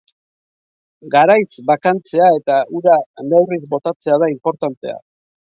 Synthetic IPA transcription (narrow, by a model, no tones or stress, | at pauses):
ɡaɾajsbakant͡se̞ae̞t̪aʔuɾanewrizbo̞t̪at͡se̞aðaimpo̞ɾt̪ant̪e̞̰a̰